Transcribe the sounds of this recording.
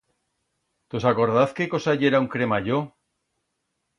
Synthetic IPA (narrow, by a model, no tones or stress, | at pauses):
t̪o̞sako̞ɾðaθke̞ko̞saʝe̞ɾauŋkɾe̞maʝo